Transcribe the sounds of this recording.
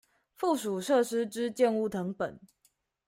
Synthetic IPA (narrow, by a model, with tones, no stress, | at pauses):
fu˥˨ʂu˨˩ʂɤ˥˨ʂɻ̩˥ʈ͡ʂɻ̩˦t͡ɕjɛ˥˧nu˥˩t̪ʰɤ˧˥ŋpə̰˨˩n